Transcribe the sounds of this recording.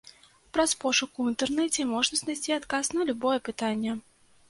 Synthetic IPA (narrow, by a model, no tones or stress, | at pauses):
pɾɐspɔʂʊkuint̪ɛrnɛt͡sʲɛmɔʐnɐznajsʲtʲt͡sʲiat̪kasnɐlʲubɔjɛpɨt̪anʲːɛ